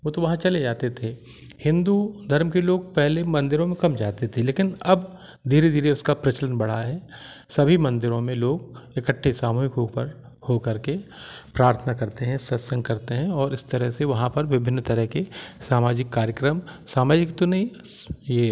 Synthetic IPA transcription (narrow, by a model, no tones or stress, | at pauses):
ʋoːt̪oʋɐɦãt͡ʃɐled͡ʒaːt̪et̪ʰe | hɪ̃nd̪ud̪ʱɐɾmkeloːɡ̚pɛɦlemɐ̃nd̪ɪɾõmẽkɐmd͡ʒaːt̪et̪ʰeleːkɪnɐb | d̪ʱiːɾed̪ʱiːɾeʊskapɾɐt͡ʃələnbɐɽ̤aɦɛː | sɐbʱimɐ̃nd̪ɪɾõmẽloːɡ̚ekəʈʰːesaːmuːɦɪkɦoːpəɾ | hokɐɾkepɾaːɾt̪ʰənakɐɾt̪eɦɛ̃sɐsə̃ŋɡkɐɾt̪eɦɛ̃ɔːɾɪst̪ɐɾəɦseʋɐɦãpɐɾʋɪbʱɪ̃nːt̪ɐɾəɦkesaːmaːd͡ʒɪkːaːɾjəkɾəmsaːmaːd͡ʒɪkt̪onɐɦĩjeː